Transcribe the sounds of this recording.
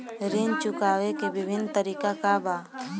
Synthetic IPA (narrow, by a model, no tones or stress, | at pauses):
ɾent͡ʃʊkaːwekebɪbʱɪnt̪əɾiːkakabaː